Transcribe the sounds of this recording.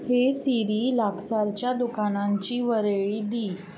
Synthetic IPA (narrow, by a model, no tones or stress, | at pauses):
hesiɾiːlaksaɾt͡ɕjad̪ukanãɲt͡ɕiːʋəɾeɭiːd̪iː